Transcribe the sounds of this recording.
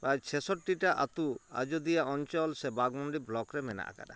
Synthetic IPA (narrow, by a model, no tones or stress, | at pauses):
ɾajt͡ʃʰɛsɔʈːiʈaʔa̰t̪ua̰d͡ʒod̪ijaʔɔɲt͡ʃɔlsɛbaɡmɔɳɖiblɔkɾɛmɛna̰ʔa̰ka̰ɖa̰